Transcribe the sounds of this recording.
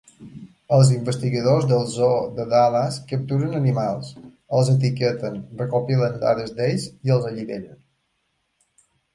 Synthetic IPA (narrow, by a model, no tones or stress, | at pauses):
əlˠziɱbəst̪iɣəðozðəlˠzoðəðalaskəp̚t̪uɾənənimalˠs | əlˠzət̪̬ikət̪ənrrəkopilənd̪a̰ðəzd̪ejziəlˠzəʎiβḛʎən